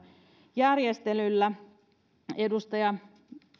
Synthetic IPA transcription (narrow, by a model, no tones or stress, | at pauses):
jærjest̪elylːæ | edust̪ɑjɑ